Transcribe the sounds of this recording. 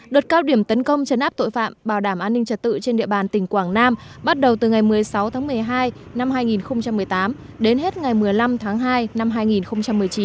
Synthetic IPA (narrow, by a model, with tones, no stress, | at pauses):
ɗo˨˩t̚kaː˧wɗi˧˩əmt̪ə˨˦nkə˧wŋ͡mt͡ɕə˨˦nʔaː˦˥p̚t̪o̰˧˨jfa̰ː˧˨mɓaː˧˩wɗaː˧˩mʔaː˧nːï˧ŋ̟t͡ɕə˨˩t̚t̪ɨ̰˧˨t͡ɕe˧nɗḭ˧˨əɓaː˨˩nt̪ï˧˩ŋ̟kwaː˧˩ŋnaː˧mɓa˦˥t̚ɗə˨˩wt̪ɨ˨˩ŋa˨˩jmɨ˨˩əjsa˨˦wt̪ʰaː˨˦ŋmɨ˨˩əjɦaː˧j | na˧mɦaː˧jŋi˨˩nxə˧wŋ͡mt͡ɕa˧mːɨ˨˩əjt̪aː˨˦m | ɗe˨˦nɦe˦˥t̚ŋa˨˩jmɨ˨˩əjla˧mt̪ʰaː˨˦ŋɦaː˧jna˧mɦaː˧jŋi˨˩nxə˧wŋ͡mt͡ɕa˧mːɨ˨˩əjt͡ɕi˨˦n